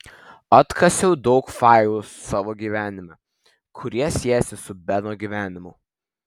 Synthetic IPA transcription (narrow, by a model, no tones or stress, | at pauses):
ɐt̪kʰɐsʲɛʊd̪ɔʊkfɑˑɪlˠussɑːʋoːɡʲiːʋʲæːnʲɪmʲɛ | kʰʊɾʲiɛsʲiɛjɛsʲɪsʊbʲɛnoːɡʲiːʋʲæːnʲɪmʊ